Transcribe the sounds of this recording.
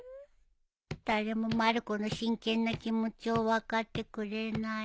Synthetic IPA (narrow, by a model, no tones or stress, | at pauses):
t̪aɾemomaɾkonoʃiŋkenːakimut̪jowakat̪ekuɾena